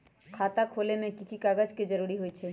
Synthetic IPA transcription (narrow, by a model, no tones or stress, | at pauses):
kʰaːt̪akʰoːlemẽkikʰikaːɡəd͡ʒked͡ʒəɾuːɾiɦoit͡ʃʰɛː